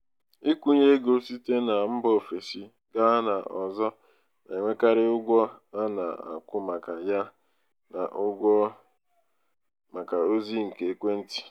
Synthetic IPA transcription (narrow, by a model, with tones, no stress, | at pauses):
i˦kʷu˦ɲe˦ɡo˦si˦te˦na˨m̩˦bɔ˦˨fe˨si˦ | ɡa˦na˨ɔ˨zɔ˦ | na˨e˨ŋʷe˦ka˦ɾɪ˦ʊ˦ɡʷɔ˦a˦na̰˨a̰˨kʷʊ˦ma˨ka˨ja˦ | na̰˨ʔʊ˦ɡʷɔ˦ | ma˨ka˨o˦zi˦ŋ̩˨ke˨e˦kʷe˦n̩˦ti̥˦